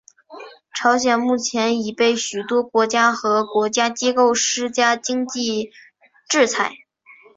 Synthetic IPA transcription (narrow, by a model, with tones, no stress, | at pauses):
ʈ͡ʂʰɑ˧˥ʊɕ̬jɛ˨˩nmu˥˩t͡ɕʰjɛ˧˥ni˨˩pe˥˩ɪɕy˨˩t̪wɔ˥kwɔ˧˥t͡ɕja˥xɤ˧˥kwɔ˧˥t͡ɕja˥t͡ɕi˥ko˥˧ʊʂɻ̩˥t͡ɕja˥t͡ɕi˥ŋt͡ɕi˥˧ | ʈ͡ʂɻ̩˥˩t͡sʰa˧˩˦ɪ